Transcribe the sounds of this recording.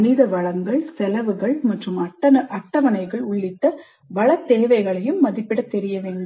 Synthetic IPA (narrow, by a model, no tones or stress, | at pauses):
nɪðɐʋɐɻɐŋɡɐɭsɛlɐʋɯɣɐɭmɐʈrɯmɐʈːɐɐʔɐʈːɐʋɐnɐɪɣɐɭʊɭːɪt̪ːɐ | ʋɐɭɐt̪ːeːʋɐɪɣɐɭɐjɯmːɐðɪpːɪɽɐt̪ːɛɾɪjɐʋeːɳɖ